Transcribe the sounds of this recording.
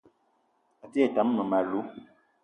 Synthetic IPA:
a˨ti˦e˦˨ta˨˦mː˦ə˨ma˨lu˦

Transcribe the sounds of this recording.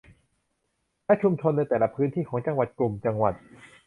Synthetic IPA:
lɛ˦˥ʔt͡ɕʰu˧mt͡ɕʰo˧nːa˧jt̪ɛː˨˩la˧˩pʰɯː˦˥nt̪ʰiː˥˩kʰɔː˩˦ŋt͡ɕa˧ŋwa˨˩t̪̚klu˨˩mt͡ɕa˧ŋwa˨˩t̪̚

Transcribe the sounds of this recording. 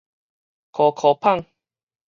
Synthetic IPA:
kʰɔ˨kʰɔ˨pʰa˥ŋ

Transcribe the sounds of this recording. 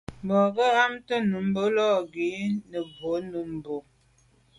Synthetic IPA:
m˨bɔ˨ɡə˦a˦mtə˦nu˨˦m˦bo˦lɔ˦˨ɡi˨˦nə˨bo˨˦nu˨m˨bo˨

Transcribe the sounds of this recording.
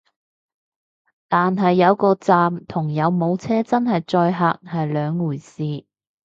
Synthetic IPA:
t̪aː˨nɦɐ˨jːɐ˨˧wkɔː˧t͡saː˧mt̪ʰʊ˨˩ŋjɐ˨˧wmo˨˧wt͡sʰɛː˥t͡sɐ˥nhɐ˨jt͡sɔː˧jɦaː˧k̚hɐ˨jlœː˨˧ŋːuː˨˩jsiː˨˧

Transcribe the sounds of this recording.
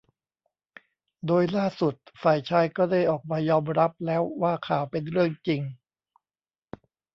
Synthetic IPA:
doː˧jlaː˥˩su˨˩t̪̚faː˨˩jt͡ɕʰaː˧jkɔː˥˩da˥˩jʔɔː˨˩k̚maː˧jɔː˧mɾa˦˥p̚lɛː˦˥wːaː˥˩kʰaː˨˩wpe˧nɾɯ˥˩əŋt͡ɕi˧ŋ

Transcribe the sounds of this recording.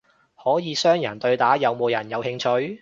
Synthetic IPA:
hɔː˨˥jiː˨˧sœː˥ŋjɐ˨˩nt̪ɵ˧ɥt̪aː˨˥jɐ˨˧wmo˨˧wjɐ˨˩njɐ˨˧whɪ˧ŋt͡ʃʰɵ˧ɥ

